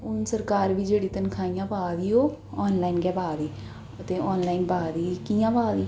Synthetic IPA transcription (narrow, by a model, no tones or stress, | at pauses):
ʊnsəɾkaːɾʋiːd͡ʒeːɽiːt̪ənkʰaːijãːpaːd̪iːoːɔːnlaːinɡɛːbaːd̪iː | ət̪ẽːʔɔːnlaːinbaːd̪iːkiːjãːpaːd̪iː